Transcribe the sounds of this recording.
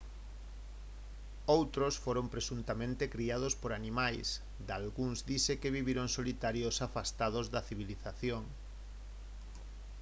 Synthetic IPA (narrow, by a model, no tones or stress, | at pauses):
owt̪ɾosfoɾompɾesunt̪amẽnt̪ekɾiað̞ospoɾanimajs | d̪alɣuŋzd̪isekeβiβiɾoŋsolit̪aɾjosafast̪að̞ozðɐθiβ̞iliθaθjoŋ